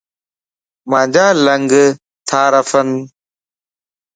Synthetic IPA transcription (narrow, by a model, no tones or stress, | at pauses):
madaːlɐŋɡə | t̪ʰaːɾɐfɐn